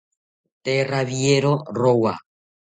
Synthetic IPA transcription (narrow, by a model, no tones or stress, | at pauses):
t̪eraβjeɾorowa̰